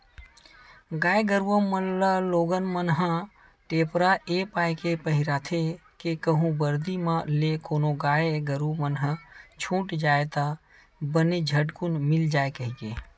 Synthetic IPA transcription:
ɡaeɡəɾuwəmələloɡənmənɦə | ʈepɾaepajkepəɦiɾat̪ʰekekəɦũbəɾd̪imãlekonoɡaeɡəɾumənɦət͡ʃʰũʈd͡ʒaːet̪a | bəned͡ʒʱəʈkunmɪld͡ʒaekəɦike

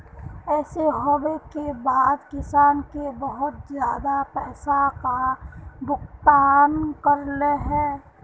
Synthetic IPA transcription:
ɛːseɦobekebaːd̪kɪsaːnkebəɦʊt̪zjaːd̪apɛːsakabʊkt̪aːnkəɾleɦɛ̃ː

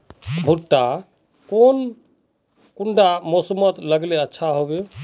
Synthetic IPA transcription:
bʱuʈːa | kon | kuɳɖamosəmət̪ləɡleətːʃʰaɦobe

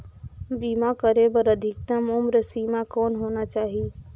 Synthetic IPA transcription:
bimakəɾebəɾəd̪ʱik̚t̪əmomɾəsimakɔːnɦonat͡ʃaːɦi

